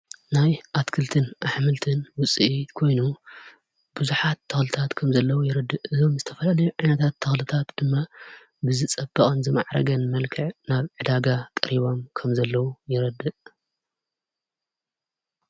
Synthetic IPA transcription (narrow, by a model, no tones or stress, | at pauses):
najʔat̪kʰɨlt̪ʰɨnʔaħmɨlt̪ʰɨnwʊt͡sʼɨʔit̪kʰo̞jnu | bɨzuħat̪ʰːɐxlɨt̪ʰat̪kʰɐmzɐlːɐwujɪɾɐd̪ːɨʔʔɨzo̞mzɨt̪ʰɐfɐlalɐjuʕajnɐt̪ʰat̪ʰːɐxlɨt̪ʰat̪d̪̥ɨmːa | bɨzɨt͡sʼɐbːɐkʼɐnzɨma̰ʕɾɐ̰ɡɐnmɐlkʰɐʕnaβʕɨd̪aɡat̪ʼɐ̰ɾiβo̞mkʰɐmzɐlːɐwujɪɾɐd̪ɨʔ